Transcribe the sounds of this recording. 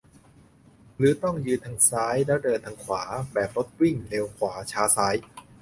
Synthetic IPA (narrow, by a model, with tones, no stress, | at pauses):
ɾɯː˩˦t̪ɔ˥˩ŋjɯː˧t̪ʰaː˧˥ŋsaː˦˥jlɛ˦˥wdɤː˧t̪ʰaː˧ŋkʰwaː˩˦bɛː˨˩p̚lo˦˥t̪̚wi˥˩ŋle˧wkʰwaː˩˦t͡ɕʰaː˦˥saː˦˥j